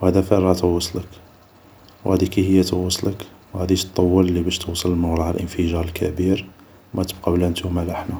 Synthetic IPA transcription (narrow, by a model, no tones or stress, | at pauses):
whæd̪æfərˤɑt̪əwɑsˤlək | whæd̪ikihəjːæt̪wɑsˤlək | whæd̪iʃt̪ˤːɑwːələlːibæʃt̪usˤəlməwɾˤɑhælʔənfəʒɑɾˤəlkʰæbiɾ | wmæt̪əb̚qɑbəlænt̪umælʔəħnæ